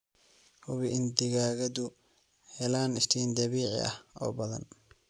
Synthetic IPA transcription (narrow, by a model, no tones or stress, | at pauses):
hʊβɪʔɪnd̪ɪɣaːɣɐd̪ʊ | hɛlaːnɪst̪ʰiːnd̪ɐβiːʕɪ̰ʔɐ̰hɔ̰ːbɐðɐ̰n